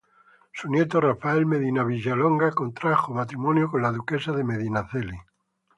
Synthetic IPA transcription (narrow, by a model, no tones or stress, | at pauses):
sunjet̪orafaelmeðinaβ̞iʒaloŋɡakont̪ɾaxomat̪ɾimonjokonlaðukesaðemeðinaθeli